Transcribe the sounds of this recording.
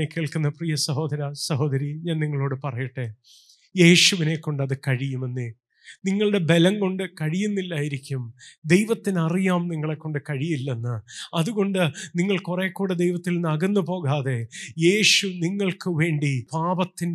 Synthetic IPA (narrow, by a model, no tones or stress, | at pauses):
ekːeːɭkunːɐprijɐsɐɦo̞ːd̪ɐɾɐsɐɦo̞ːd̪ɐɾiɲaːnniŋːɐɭo̞ːɽɨpɐrɐjiʈːe | je̞ːɕuʋine̞kːo̞ɳɖɐðɨkɐɻijume̞nːɨ | niŋːɐɭɨɽe̞be̞lɐŋko̞ɳɖɨkɐɻijunːilːaːjiɾikʲːumd̪ejʋɐt̪ːinɐrijaːmniŋːɐɭe̞kːoɳɖɨkɐɻijilːenːɨɐðuɣo̞ɳɖɨniŋːɐɭkureːkːuːɽed̪ejʋɐt̪ːilnɐɣɐnːupo̞ːɣaːðe̞je̞ːɕuniŋːɐɭkɨʋe̞ːɳɖipaːbɐt̪ːin